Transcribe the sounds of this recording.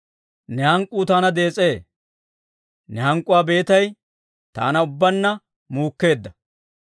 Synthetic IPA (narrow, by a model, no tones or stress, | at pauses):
nɛhɐŋkʼːuːt̪aːnɐd̪e̞ːt͡sʼe̞ː | nɛhɐŋkʼʊwaːbe̞ːt̪ɐj | t̪a̰ːnɐʊbːɐnːɐ | muːkːe̞ːd̪ːɐ